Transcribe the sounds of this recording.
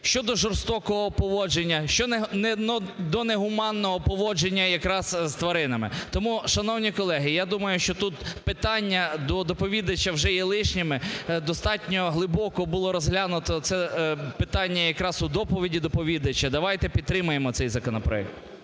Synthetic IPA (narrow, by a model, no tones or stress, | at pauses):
ʃt͡ʃɔd̪ɔʒɔrst̪ɔkɔɦɔpɔʋɔd͡ʒenʲːɐʃt͡ʃɔnnɛnd̪ɔneɦʊmɑnːɔɦɔpɔʋɔd͡ʒenʲːɐjɐkɾɑz̥zt̪ʋɐɾɪnɐmɪ̰t̪ɔmuʃɐnɔwnʲikɔlˠɛɦɪjad̪umɐjʊʃt͡ʃɔt̪ut̪pɪt̪ɑnʲːɐd̪ɔd̪ɔpɔʋʲid̪ɐt͡ʃːɐwʒɛjɛlˠɪʃnʲɪmɪd̪ɔst̪ɑtʲnʲɔɦlˠɪbɔkɔbʊlˠɔɾɔzɦlʲanʊt̪ɔt̪sɛpɪt̪ɑnʲːɐjɐkɾɑzʊd̪ɔpɔʋʲidʲid̪ɔpɔʋʲid̪ɐt͡ʃɐd̪ɐʋɑjt̪ɛpʲid̪̚t̪ɾɪmʊjemɔt̪sɛjzɐkɔnɔpɾɔ̰ɛ̰k̚t̪